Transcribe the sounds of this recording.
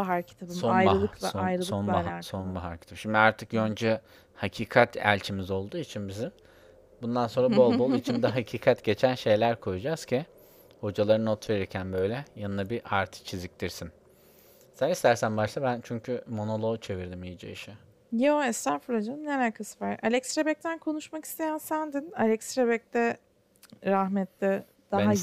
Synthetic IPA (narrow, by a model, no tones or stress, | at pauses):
baɦaɾcʰi̥t̪ʰabimsonajɾɯlˠɯklˠoajɾɯlˠonbasonbaɦaɾci̥t̪ʰabʃimd̪iaɾt̪ʰɯkjønd͡ʒɛ | hacʰiːkʰat̪ʰæ̰lʲt͡ʃʰimizo̞lˠd̪uːit͡ʃʰinbizim | bund̪anso̞nɾabolˠbo̞lˠit͡ʃʰind̪ɛɦacʰiːkʰat̪ɟe̞t͡ʃʰænʃe̞jlʲæɾkʰo̞jud͡ʒaz̥cʰi | ho̞d͡ʒalˠaɾɯnot̪ʰve̞ɾiɾcʰænbø̞jlʲɛjanɯnabiʔaɾt̪ʰɯ̥t͡ʃʰizic̚t̪iɾsin | sɛnist̪ʰæɾsænbaʃlˠabænt͡ʃʰyɲcʰymo̞no̞lˠo̞t͡ʃʰe̞viɾd̪imijid͡ʒḛiʃɛ | joɛst̪aɾfulad͡ʒaneɾæɾkʰɯsɯvaɾa̰lʲɛksɾebɛc̚t̪ʰænkʰo̞nuʃmaki̥st̪ʰe̞jænsænd̪inalʲɛksɾebɛc̚t̪ɛ | ɾahmɛt̪lʲɪ | d̪̥aɦa